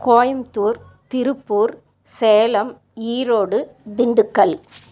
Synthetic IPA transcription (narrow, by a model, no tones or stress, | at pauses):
koːjɐmt̪uːɾ | t̪ɪɾɯpːuːɾ | sɛːlɐm | iːɾoːɽɯ | d̪ɪɳɖɯkːɐɭ